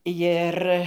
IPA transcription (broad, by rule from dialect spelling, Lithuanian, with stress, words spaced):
ˈjɪr